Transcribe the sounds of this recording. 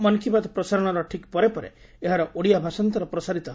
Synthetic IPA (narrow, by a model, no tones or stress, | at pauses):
mɔnkʰibad̪ɔpɾɔsaɾɔɽ̃ɔɾɔʈʰikpɔɾepɔɾḛ | eɦaɾɔʔoɽijabʱasɔnt̪ɔɾɔpɾɔsaɾit̪ɔɦ